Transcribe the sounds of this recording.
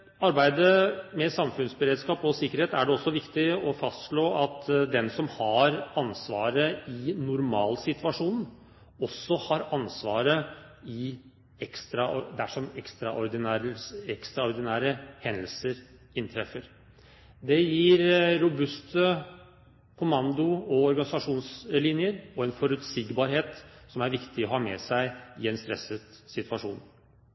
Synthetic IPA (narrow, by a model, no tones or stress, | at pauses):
ɑɾbæɪd̪əmɛsɑmfʉnsbəɾeːd̪skɑːpɔsɪkːəɾheːt̪æɖɛɔsːɔʋɪkt̪ɪɔfɑst̪ʂɭoːɑt̪d̪ɛnsɔmhɑɾɑnsʋɑ̰ːɾəɪnʊɾmɑːlsɪt̪ʋɑʂuːn̩ | ɔsːɔhɑɾɑnsʋɑːɾə | ɪ | ɛkst̪ɾɑɔd̪æʂɔmɛkst̪ɾɑʔɔɾd̪ɪnæɾəɛkst̪ɾɑɔɾd̪ɪnæːɾəhɛnd̪əlsəɾ | ɪnt̪ʰɾɛfəɾ | d̪ɛjiːɾɾʊbʉst̪ʰə | kʰʊmɑnd̪ʊɔɔɾɡɑnɪsɑʂuːnslɪnjəɾɔɛnfɔɾʉt̪siːɡbɑːɾɦeːt̪sɔmæɾʋɪkt̪ɪɔɦɑːmɛ̰sæɪɪɛnst̪ɾɛ̰sət̪sɪt̪ʰʋɑʂuːn